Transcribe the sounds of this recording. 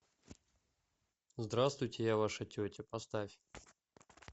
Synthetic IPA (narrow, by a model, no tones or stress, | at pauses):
zd̪ɾast̪vʊjtʲɪjavaʂətʲɵtʲɪpɐst̪afʲ